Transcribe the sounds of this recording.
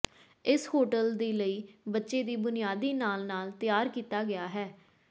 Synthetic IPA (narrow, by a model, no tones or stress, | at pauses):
ɪshoːʈəld̪iːləiːbətːʃeːd̪iːbʊnɪjaːd̪iːnaːlnaːlt̪ɪjaːɾkiːt̪aːɡɪaːɦɛː